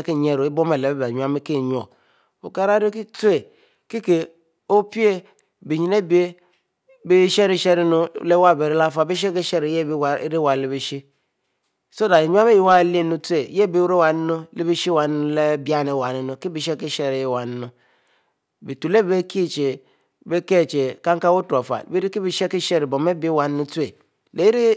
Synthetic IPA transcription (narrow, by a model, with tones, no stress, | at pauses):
ke˦˨ɲe˦˨ɾo˨e˦bo˦me˨le˨be˦bɲu˨a˦mi˦ke˦˨ɲ˨o˨ | o˨ka˦ɾa˦ɾo˦ki˦tu˦e˨ | ki˦ke˨ | o˦pi˦e˦ | be˨ɲi˨ne˦bi˦e˦ | be˦ʃe˦ɾi˦ʃe˦ɾi˦no˦le˦wa˦˨be˨ɾe˦la˦fa˨be˦ʃ̬e˦ke˦ʃɛ˦ɾe˨je˦bw̰ɾe˦wa˨le˦be˨ʃi˦ | so˦da˨i˨ɲu˦a˦me˦ji˨wa˦˨le˦nu˦tu˦e˨je˦˨be˨˦wɾe˦wa˨n˦nu˦le˦bi˦ʃi˦wa˨n˦nu˦le˦bi˦a˦ne˨wa˨ni˦nu˨ki˦bi˨ʃɛ˦ki˦ʃe˦˨ɾi˨je˦˨wa˨n˦nu˦ | bi˨tu˨le˦bbe˦kʰi˦˨t͡ʃe˨ | be˦ke˦˨t͡ʃe˨ka˦ŋka˦wu˦ta˨fa̰˨bi˦ɾi˦ki˦bi˦ʃe˦ki˦ʃɛ˦ɾi˨bo˨me˦be˦wa˨n˦nu˦tu˦e˨ | le˨˦i˦ɾi˦